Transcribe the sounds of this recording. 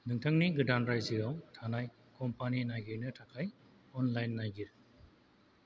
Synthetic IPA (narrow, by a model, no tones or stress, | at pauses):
nɯŋtʰaŋniɡɯdanɾajziɾawtʰanaj | kɔmpaninajɡinɯtʰakʰaj | ɔnlajnːajɡiɾ